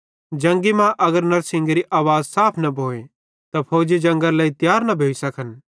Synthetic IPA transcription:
d͡ʒɐ̃ŋɡimãʔɐɡəɾnɐɾsɪ̃ŋɡɾiʔaːʋaːzsaːpʰnɐbʱoːe | t̪apʰoːd͡ʒid͡ʒɐ̃ŋɡaɾlaːit̪jaːɾnɐbʱeːisɐkʰən

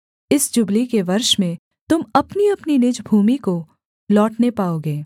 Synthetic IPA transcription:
ɪsd͡ʒʊblikeʋɐɾʃmẽ | t̪ʊmɐpniɐpninɪd͡ʒbʱuːmiko | lɔːʈnepaːoːɡeː

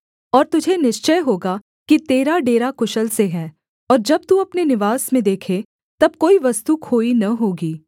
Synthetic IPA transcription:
ɔːɾt̪ʊd͡ʒʱenɪʃt͡ʃəjɦoːɡa | kit̪eːɾaɖeːɾakʊʃəlseɦɛ̃ː | ɔːɾd͡ʒɐb̚t̪uɐpnenɪʋaːsmẽd̪eːkʰe | t̪ɐb̚koːiʋɐst̪ukʰoːinɐɦoːɡiː

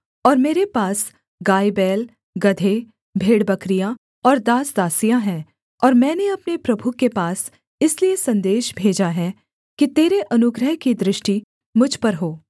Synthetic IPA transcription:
ɔːɾmeːɾepaːs | ɡaːibɛːl | ɡɐd̪ʱe | bʱeːɽbɐkɾijã | ɔːɾd̪aːsd̪aːsijãɦɛ̃ː | ɔːɾmɛ̃ːneɐpnepɾɐbʱukepaːs | ɪsliesɐ̃nd̪eːʃbʱeːd͡ʒaɦɛ | kit̪eːɾeʔɐnʊɡɾəɦkid̪ɾɪʃʈi | mʊd͡ʒʱpɐɾɦoː

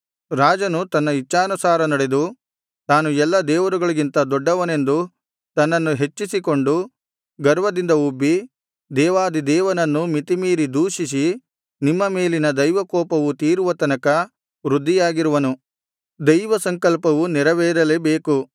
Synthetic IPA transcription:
ɾaːd͡ʒɐnut̪ɐnːɐit͡ʃːaːnusaːɾɐnɐɽe̞d̪u | t̪aːnuɛlːɐd̪ɛːʋɐɾuɡɐɭiɡint̪ɐd̪ɔɖːɐʋɐne̞nd̪u | t̪ɐnːɐnːuɦe̞t͡ʃːisiko̞ɳɖu | ɡɐɾʋɐd̪ind̪ɐubːi | d̪ɛːʋaːd̪id̪ɛːʋɐnɐnːumit̪imiːɾid̪uːʃis̬i | nimːɐmeːlinɐd̪ɐjʋɐkɔːpɐʋut̪iːɾuʋɐt̪ɐnɐkɐ | ʋɾud̪ʱːijaːɡiɾuʋɐnu | d̪ɐjʋɐsɐŋkɐlpɐʋunɛɾɐʋeːɾɐlebeːku

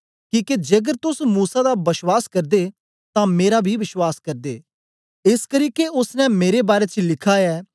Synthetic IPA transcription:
kiːked͡ʒɡəɾt̪ʊsmuːsad̪abɐʃwaːskɐɾd̪e | t̪ãmeːɾabʱiʋɪʃwaːskɐɾd̪eː | ɪskəɾiːkeʊsnɛ̃meːɾebaːɾet͡ʃlɪkʰaɛː

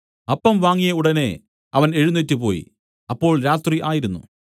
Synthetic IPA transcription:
ɐpːɐmʋaːŋːijɐuɽɐne̞ | ɐʋɐne̞ɻunːetːɨpo̞ːjḭ | ɐpːo̞ːɭɾaːt̪riʔaːjiɾunːṵ

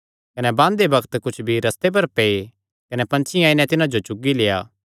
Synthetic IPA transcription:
kɐnɛbãːnd̪ebɐkʰt̪kʊt͡ʃʰbʱiɾɐst̪ep̬ɐɾpɛe | kɐnɛpɐ̃nt͡ʃʰiãːinɛ̃t̪ɪnãd͡ʒot͡ʃʊɡːileːja̰ː

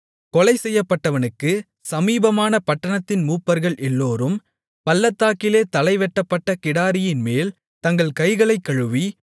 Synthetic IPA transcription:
kɔlɐɪsɛjːɐpːɐʈːɐʋɐnɯkːɯ | sɐmiːbɐmaːnɐpɐʈːɐɳɐt̪ːɪnmuːpːɐɾɣɐɭʔɛlːoːɾɯm | pɐlːɐt̪ːaːkːɪleːt̪ɐlɐɪʋɛʈːɐpːɐʈːɐkɪɽaːɾɪjɪnmeːl | t̪ɐŋɡɐɭkɐɪɣɐɭɐɪkːɐɻɯʋi

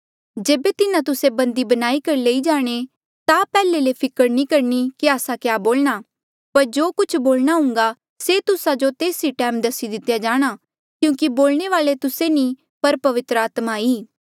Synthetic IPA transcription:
d͡ʒeːbet̪ɪnãt̪ʊsebɐ̃nd̪ibɐnaːikɐɾileːid͡ʒaːɽ̃e | t̪apɛːlelepʰɪkəɾnikɐɾnikiaːsakjaːboːlɽ̃a | pɐɾd͡ʒoːkʊt͡ʃʰboːlɽ̃aɦʊ̃ŋ̆ɡa | set̪ʊsad͡ʒot̪eːsiʈɛːmd̪ɐsid̪ɪt̪ːjad͡ʒaːɽ̃a | kjũːkiboːlɽ̃eʋaːlet̪ʊsenĩ | pɐɾpɐʋɪt̪ɾəaːt̪maiː

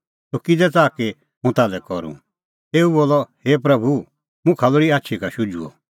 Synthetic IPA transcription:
sokɪd̪ɛt͡saːke | ɦũt̪aːlɛkɔɾṵ̃ | eːuboːlɔheːpɾɐbʱu | mũkʰɐloɽiaːtːʃʰikaʃʊd͡ʒuɔ̰

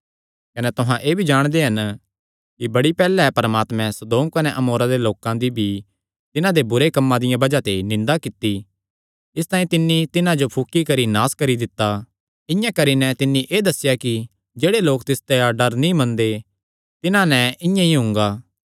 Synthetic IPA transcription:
kɐnɛt̪ʊɦãʔeːbʱid͡ʒaːɽ̃d̪eɦɐn | kibɐɽipɛːlɛpɐɾəmaːt̪mɛ̃sɐd̪oːmkɐnɛʔɐmoːɾad̪eloːkãd̪ibʱi | t̪ɪnãd̪ebʊɾekɐmːãd̪ɪjãbɐd͡ʒat̪enɪ̃nd̪akɪt̪ːi | ɪst̪aːĩt̪ɪnːit̪ɪnãd͡ʒopʰʊkːikɐɾinaːskɐɾid̪ɪt̪ːa | ɪ̃jãkɐɾinɛt̪ɪnːĩʔeːd̪ɐsːɪjaki | d͡ʒeːɽeloːkt̪ɪst̪eaɖɐɾnĩmɐ̃nd̪e | t̪ɪnãnɛɪ̃jãiɦʊ̃ŋɡaː

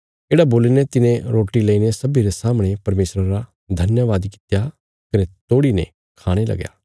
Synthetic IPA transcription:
eːɽaboːlinɛt̪ɪnẽɾoːʈileinesɐbiɾesaːmɽ̃epɐɾmeːsɾəɾa | d̪ʱɐnjaʋaːd̪kɪ̥t̪ja | kɐnɛt̪oːɽinɛ̰̃ | kʰaːɽ̃elɐ̰ɡja̰ː

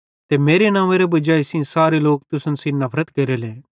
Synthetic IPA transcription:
t̪emeːɾenãːeːɾebɐd͡ʒaːesĩsaːɾeloːk̚t̪ʊsənsinɐpʰɾət̪kɐɾeleː

